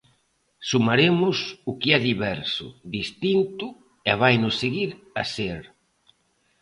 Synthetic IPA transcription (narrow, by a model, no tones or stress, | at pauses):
sumaɾemʊsʊkɪɛðiβɛɾsʊ̰ðist̪int̪ʊ | ɛβajnʊsːeɣiɾ | a̰seɾ